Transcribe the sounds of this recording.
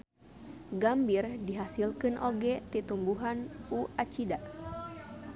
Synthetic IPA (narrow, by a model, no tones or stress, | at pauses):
ɡambirdiɦasilkɨnʔoɡɛt̪it̪umbuɦanuat͡ʃidaʔ